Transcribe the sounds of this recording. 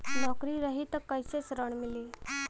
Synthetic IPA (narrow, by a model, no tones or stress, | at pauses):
nɔkɾiːɾəɦit̪əkːajsesɾəɳmili